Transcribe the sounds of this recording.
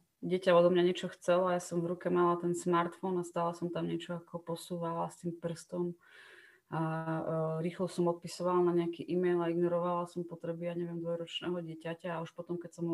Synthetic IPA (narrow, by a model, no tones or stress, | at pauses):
ɟɪɛcaɔd̪ɔmɲaɲɛt͡ʃɔxt͡sɛlɔajasɔmvɾukɛmalat̪ɛnsmaɾt̪fɔnast̪aːlasɔmt̪amɲɛt͡ʃɔakɔpɔsuːʋalast̪iːmpr̩st̪ɔm | a | ɾiːxlɔsɔmɔt̪̚pisɔʋalnaɲɛakiʔimɛjlaiɡnɔɾɔʋalasɔmpɔt̪ɾɛbijaːɲɛʋɪɛmd̪ʋɔjɾɔt͡ʃnɛːɦɔɟɪɛcacaːuʃpɔt̪ɔmkɛcsɔm